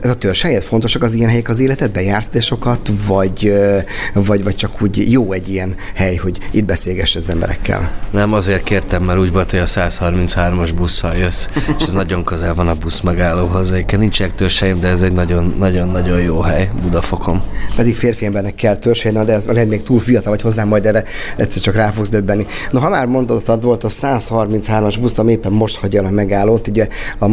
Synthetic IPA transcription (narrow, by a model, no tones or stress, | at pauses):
ʔɛzɒt̪ørʃhɛjɛt̪fo̞nt̪o̞ʃɒkɒzijɛnɦɛjɛkɒzeːlɛt̪ɛd̪̚bɛjaːrsod̪eʃo̞kɒt̪vɒɟ | vɒɟvɒc̚t͡ʃɒkʰuːɟjoːɛɟːijɛnhɛjho̞ɟid̪̚bɛseːlɡɛʃːɛɒzɛmbɛ̰ɾɛ̰kʰːɛ̰lnɛmɒzeːrt̪̚keːrt̪ɛmːɛɾuːɟvo̞lt̪hoɟɒsaːshɒrmint̪shaːrmoʒbusːɒljøsːeʃɛznɒɟo̞ŋkøzɛlvɒnɒbusmɛɡaːloːɦo̞zɛɛkːɛnnint͡ʃɛɛk̚t̪ørʃɛjemd̪ɛːzɛɟnɒɟo̞nːɒɟo̞nːɒɟo̞jjoːɦɛjbud̪ɒfo̞ko̞mpɛd̪ikfeːrfiɛmbɛrnɛkːɛlt̪ørʃɛjnɛmd̪ɛɛzlɛɦɛt̪meːk̚t̪uːlfijɒt̪ɒlvɒcho̞zːaːmːɒjd̪ɛrɛɛ̰t̪sːɛrt͡ʃɒkraːfo̞ɡzd̪øbːɛnːinoɦɒmaːrmo̞nd̪ot̪ɒd̪vo̞lt̪ɒsaːshɒrmint̪shaːrmɒʒbusɒmieːpːɛmːo̞ʃt̪hɒɟɒlɒmɛɡaːlːoːt̪uɟɛɒ